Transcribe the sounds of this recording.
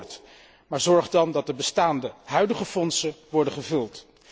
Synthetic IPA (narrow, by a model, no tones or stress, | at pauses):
ɹt | maːɹzɔɹχdɑndɑt̚dəbəstaːndəɦœɥdəχəfɔnsəʋɔɹdəχəvɵlˠt